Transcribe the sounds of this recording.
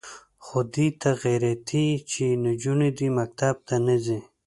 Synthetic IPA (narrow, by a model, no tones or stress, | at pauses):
xod̪it̪ʰaɣeɾat̪ʰit͡ʃʰinud͡ʒunid̪imak̚t̪ab̚t̪anəzi